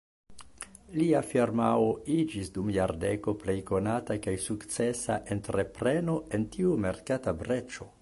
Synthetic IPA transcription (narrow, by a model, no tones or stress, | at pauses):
liafiɾmao̞id͡ʒisdumjaɾde̞ko̞ple̞jko̞natakajsukt͡se̞sa̰ʔentɾe̞pɾe̞no̞e̞ntiume̞ɾkatabɾe̞t͡ʃo̞